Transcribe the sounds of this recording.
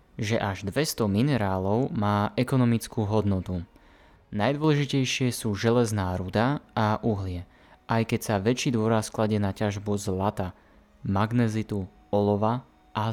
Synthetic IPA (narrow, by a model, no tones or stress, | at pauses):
ʒɛʔaʒd̪ʋɛst̪ɔminɛɾaːlɔʊmaːʔɛkɔnɔmit͡skuːɦɔd̪nɔt̪u | najd̪ʊɔlɛʒicɛjʃɪɛsuːʒɛlɛznaːɾud̪aaʔuɦlɪɛ | ʔajkɛcsaʋɛt͡ʃiːd̪ʊɔɾasklaɟɛnacaʒbuzlat̪a | maɡnɛzit̪u | ɔlɔʋa | ʔa